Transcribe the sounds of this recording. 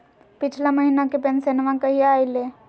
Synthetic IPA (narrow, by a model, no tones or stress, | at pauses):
pɪt͡ʃʰlaməɦinakepensenʋãkəɦiaːileː